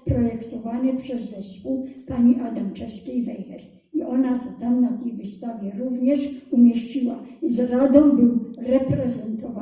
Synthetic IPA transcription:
pɾɔjɛkt̪ɔvanɛpʂɛzːɛspuwpaɲiʔad̪amt͡ʂɛskʲɛjvɛjhɛr | iʔɔnat̪sɔt̪amnat̪ɛjvɘst̪avʲjɛɾuvɲɛʂumʲjɛɕt͡ɕiwaizɾad̪ɔ̃mbɪwɾɛpɾɛzɛnt̪ɔva

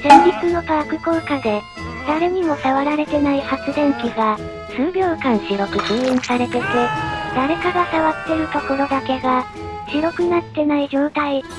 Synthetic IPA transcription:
sẽ̞mbʲit͡sɨno̞p̪aːkɯ̟kokad̪e̞ | d̪̥aɾe̞ɲ̟imo̞saβaɾaɾe̞t̪e̞naihat͡sɨd̪ẽ̞ŋkʲiɡa | sɨːbʲjo̞ːkãɰ̃ɕiɾo̞kɯ̟kiːĩɲisaɾe̞t̪e̞t̪ed̪̥aɾe̞kaɡasaβat̪ːe̞ɾɯ̟t̪o̞ko̞ɾo̞d̪ake̞ɡa | ɕiɾo̞kɯ̟nat̪ːe̞naid͡ʑo̞ːt̪ai

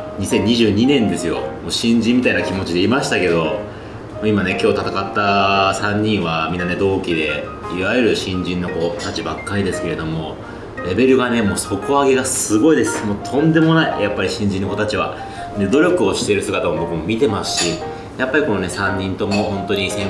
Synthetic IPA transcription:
ɲ̟isẽ̞ɲ̟ːiʑɨːɲ̟inẽ̞nd̪e̞sɨjo̞̰moːɕĩɲ̟d͡ʑĩmːit̪ainakʲimo̞t͡ɕid̪e̞imaɕi̥t̪ake̞d̪o̞ | moimane̞kʲo̞ːt̪at̪akat̪ːasãɲ̟ːĩɰ̃βamʲĩnːaned̪o̞ːkʲid̪e̞ | iβajɯ̟ɾɯ̟ɕĩɲ̟d͡ʑĩnːo̞ko̞t̪at͡ɕibakːaɾʲid̪e̞sɨ̥ke̞ɾe̞d̪o̞mo̞ | ɾe̞be̞ɾɯ̟ɡane̞mo̞ːso̞koβaɡe̞ɡasɨɡo̞id̪e̞sɨ̥moːt̪ʰõ̞nd̪e̞mo̞naijapːaɾʲiɕĩɲ̟d͡ʑĩnːo̞kot̪at͡ɕiβa̰ | ne̞d̪o̞ɾʲo̞kɯ̟o̞ɕi̥t̪e̞ɾɯsɨɡat̪amobo̞kɯ̟mo̞mʲit̪e̞masɨ̥ɕi | japːaɾʲiko̞none̞sãɲ̟ːĩnt̪omo̞hõ̞nt̪o̞ɲ̟isẽ̞

